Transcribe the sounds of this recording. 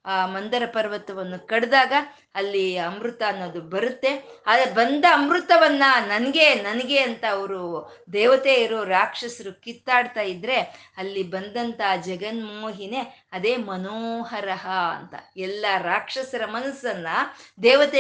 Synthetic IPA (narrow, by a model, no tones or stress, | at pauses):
aːmɐnd̪ɐɾɐpɐɾʋɐt̪ːɐʋɐnːukɐɽd̪aːɡɐː | lːiɐmɾut̪ɐːnːoːd̪ubɐɾut̪ːe̞ad̪ɐbɐnd̪ɐːmɾut̪ɐʋɐnːɐnɐnɐɡe̞nɐnɐɡe̞ɐnt̪ɐːʋɐɾu | d̪ɛːʋɐt̪eːjiɾoɾaːkʂɐsɐɾukit̪ːaːɖt̪aːjid̪ɾe̞ | ɐlːibɐnd̪ɐnt̪ɐd͡ʒɛɡɐnmoːɦine̞ | ɐd̪eːmɐnoːɦɐɾɐɦɐ̰ːnt̪ɐ̰ɛlːɐɾaːkʂɐsɐɾɐmɐnɐsːɐnːɐd̪ɛːʋɐt̪e